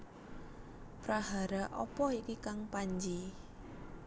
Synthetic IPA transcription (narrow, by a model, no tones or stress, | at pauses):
pɾaɦaɾaʔɔ̰pɔikikaŋpaɲd͡ʒi